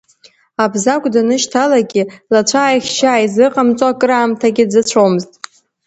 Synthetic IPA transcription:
abzakʷʼdanɨʃtʰalaɡʲɪlat͡ʃʷʰaːjχʲt͡ʃaːjzɨqʼamt͡sʼokʼɨɾaːmtʰaɡʲɪd͡zat͡ɕʷʰomɨztʼ

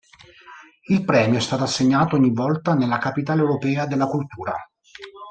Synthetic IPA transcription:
ilpɾɛːmjoɛst̪aːt̪oasːeɲːaːt̪oɔɲːivːɔlt̪anelːakapit̪aːlewɾopɛːad̪elːakult̪uːɾa̰

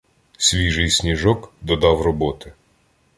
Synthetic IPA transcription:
sʲʋʲijʒɪjsʲnʲiʒɔkd̪ɔd̪ɑwrɔbɔt̪ɪ

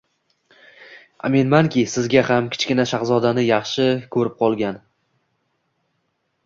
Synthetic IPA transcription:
a̰menmaŋkʲɪsɪzɡʲahamkʲʰɪ̥t͡ʃkʲɪnaʃaχzɒd̪anɪjɑχʃɪkʰɵɾɪp̚qʰɒlˠɡʲan

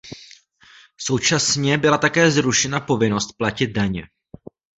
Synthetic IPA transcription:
so̞wt͡ʃasɲɛbɪlat̪akɛːzɾuʃɛnapo̞vɪno̞st̪̚placɪd̪̚daɲɛ̰

